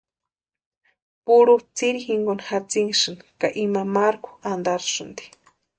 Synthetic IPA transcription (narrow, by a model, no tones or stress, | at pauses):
puɾut͡siɾixiŋɡonhat͡siŋʃɨnikaʔimamaɾku̥and̪aɾʃɨnd̪i̥